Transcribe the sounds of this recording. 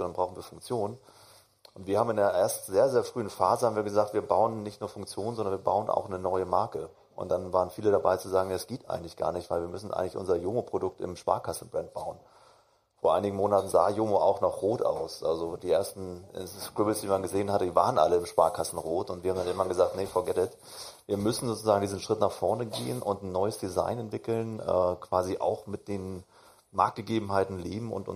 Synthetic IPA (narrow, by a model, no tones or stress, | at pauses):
danbʁaʊxn̩viːɐfʊŋkt͡sjoːn | ʔʊntv̥iːɐhaːbmɪndeːɐʔeːɐstzeːɐzeːɐfʁ̥yːənfaːzəhabmviːɐɡəzaːk̚tv̥iːɐbaʊənnɪçtnuːɐfʊŋk̚t͡sjoːnzɔndɐnviːɐba̰ʊənʔa̰ʊxnənɔʏəmaɐkə | ʔʊ̰ntd̥anvaːʁənfiːləɾabaɪt͡suzaːɡŋ̩jasɡ̥eːtʔa̰ɪɡŋ̩tlɪçɡ̥a̰ːɐnɪçtv̥aɪlviːɐmʏsn̩ʔa̰ɪɡŋtlɪçʔʊ̰nzɐjoːmopʁ̥odʊk̚tɪ̰mʃpa̰ːɐkʰasn̩bʁɛnt̚b̥aʊən | foːɐʔaɪnɪɡŋ̩moːnatn̩za̰ːjoːmoʔa̰ʊxnɔχʁoːtʔa̰ʊsʔa̰lzodiːʔeːɐstn̩skʁ̥ɪbəsd̥iːmanɡəzeːənhatəd̥iːva̰ːʁənʔa̰ləɪmʃpaːɐkʰasn̩ʁoːtʊntviːɐhamdanʔɪŋmanɡəzaːktnefɔɐɡɛtɛt | viːɐmʏsn̩zoːt͡sʊzaːɡŋ̩diːzn̩ʃʁ̥ɪtnaχfɔɐnəɡḛːənʔʊ̰ntn̩ːɔʏəsd̥iza̰ɪnɛntv̥ɪkl̩nʔɛ̰ːkʰv̥aːziʔa̰ʊxmɪt̚d̥eːn | ma̰ɐk̚t̚ɡ̥əɡeːbm̩ɦaɪtn̩leːbm̩ʊ̰ntʔʊ̰